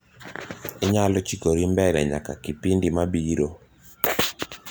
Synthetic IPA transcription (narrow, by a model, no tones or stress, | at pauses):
ɪɲalɔt͡ʃikoɾimbɛɾɛɲa̰ka̰kipindimabiɾo